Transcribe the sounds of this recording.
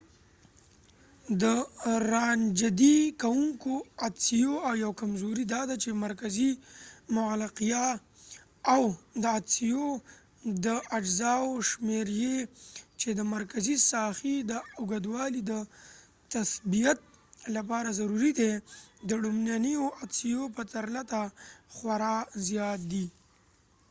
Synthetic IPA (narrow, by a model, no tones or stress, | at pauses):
d̪əɾɑnd͡ʒad̪ikawuŋkoat̪sijoawjawkamzoɾid̪ɑd̪at͡ʃemaɾkazimʊalɪqijɑ | awd̪əat̪sijo | d̪əʔad͡ʒzɑwʃmeɾjet͡ʃed̪əmaɾkazisɑxid̪əʊɡad̪wɑlid̪ə | t̪asbijat̪̚lapɑɾazaɾuɾid̪ed̪əɽumnjanijoʔat̪sijopət̪aɾlat̪axwaɾɑzjɑt̪̚d̪i